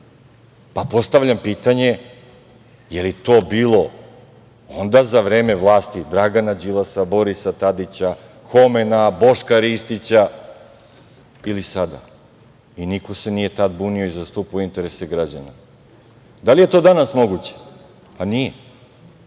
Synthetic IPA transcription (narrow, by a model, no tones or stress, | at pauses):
papo̞st̪aʋʎampiːt̪aɲe̞ | jeliet̪o̞ːbiːlˠo̞ | o̞nd̪azaʋɾe̞ːme̞ʋlˠaːst̪id̪ɾaɡanad͡ʑilasabo̞ɾisat̪ad̪it͡ɕa | xo̞menabo̞ʃkaɾist̪it͡ɕa | ilisad̪a̰ | iniko̞se̞nije̞t̪ad̪buːnio̞izast̪uːpaoint̪e̞ɾeseɡɾad͡ʑa̰na | d̪alije̞t̪o̞d̪anasmo̞ɡut͡ɕe̥ | panije